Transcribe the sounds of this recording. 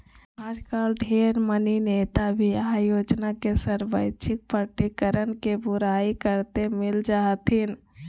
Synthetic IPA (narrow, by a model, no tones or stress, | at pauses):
ɦãd͡ʒkalɖʱeɾmənineːt̪abʱiajoːd͡ʒnakesəɾʋəɪt͡ʃʰɪk̚pəʈikəɾənkebuɾaikəɾt̪emɪld͡ʒaɦt̪ɦɪn